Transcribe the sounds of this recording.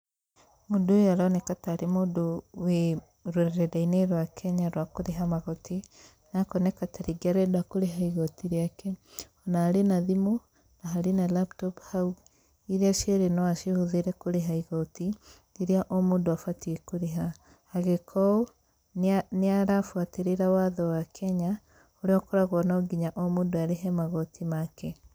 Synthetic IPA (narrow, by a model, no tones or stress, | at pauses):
modojaɾanɛkataɾemoːdowe | ɾoɾɛɾɛɾaineɾwakʰɛɲaɾwakoɾeɦamaɣɔtʰi | nakɔnɛkataɾiɡiaɾɛdakoɾeɦaiɣɔtiɾeakɛ | ɔnaːɾenaðimɔ | naɦaɾenalap̚tɔphauɡ | iɾeaʃeɾenɔaʃehoðeɾɛkoɾeɦaiɣɔti | niɾeaʔɔmoːndoafatiekoɾeɦa | haɣekʰɔo | neaɾafwateɾeɾawaðɔwakʰɛɲa | oɾeɔkɔɾaɣwɔnaoɡiɲaʔɔmoːndoaɾeɦɛmaɣɔtʰimakɛ